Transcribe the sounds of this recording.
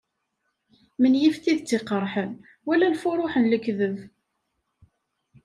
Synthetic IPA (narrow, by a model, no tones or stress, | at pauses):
mənjift̪iðt͡sːeqəɾˤħən | wælænfʊɾˤʊħənləkːðəv